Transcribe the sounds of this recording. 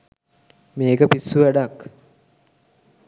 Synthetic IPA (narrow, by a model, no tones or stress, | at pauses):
meːkəpisːuʋæɖak